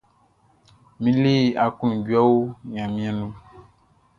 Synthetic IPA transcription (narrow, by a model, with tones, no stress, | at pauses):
mĩ˦le˦˨a˨ku˦nũ˨ɟu˦a˦wo˦ɲã˨mĩ˦a˨nũ˦